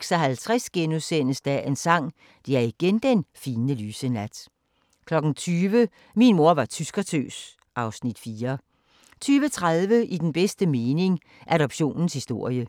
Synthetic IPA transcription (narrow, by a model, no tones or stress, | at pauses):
ɡ̥sɒɦælt͡sʰʁɛsɡ̥enuðˠsen̰əsd̥æʔe̝nsɑ̈ŋ̰ | d̥e̝æɐiɡ̥end̥enfiːnəlyːsənæd̥ | kʰlɒ̽ɡ̥n̩t͡sʰyːʋə | minmo̝ɐʋɑ̈t͡sʰysɡ̥ɐt͡sʰø̰ːs | ʔɑ̈ʊsnid̥fiːɐ | t͡sʰyːʋət͡sʰʁaðˠʋəʔid̥enb̥esd̥əme̝ːne̝ŋ | ʔæɾɒ̽b̥ɕo̝̰ːnn̩shisd̥o̝ɐ̰jə